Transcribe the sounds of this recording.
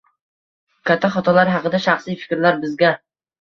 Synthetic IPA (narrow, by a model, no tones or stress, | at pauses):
kʰʲat̪ʰːaχɒt̪ʰɒlaɾɦɑqɨd̪aʃɑχsijfɪ̥kʲɾlaɾbɪzɡʲa